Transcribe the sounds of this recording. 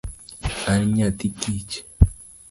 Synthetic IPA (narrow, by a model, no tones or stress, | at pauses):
anɲat̪ikit͡ʃ